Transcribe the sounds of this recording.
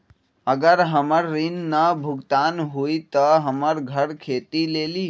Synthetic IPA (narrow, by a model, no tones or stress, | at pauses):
əɡəɾɦəməɾːinːəbʱʊɡt̪aːnɦuit̪əɦəməɾɡʱəɽkʰeːt̪ileːliː